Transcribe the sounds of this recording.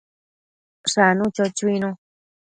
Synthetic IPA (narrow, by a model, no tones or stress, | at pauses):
ʂanũt͡ʃot͡ʃuinũ